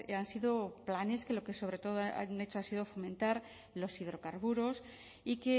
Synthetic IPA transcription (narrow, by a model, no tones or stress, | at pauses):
ansiðo̞plane̞ske̞lo̞ke̞so̞β̞ɾe̞t̪o̞ðoaa̰ne̞t͡ʃoasiðo̞fo̞mẽ̞nt̪aɾ | lo̞siðɾo̞kaɾβuɾo̞s | ike̞